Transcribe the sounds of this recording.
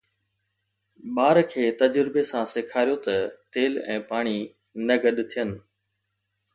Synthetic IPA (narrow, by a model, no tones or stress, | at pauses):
ɓaːɾkʰeːt̪ɐd͡ʑɾɪbesãsɪkʰaːɾijot̪ɐt̪eːlɛ̰̃ːpaːɽ̃i | nɐɡəɗt̪ʰijənɪ̆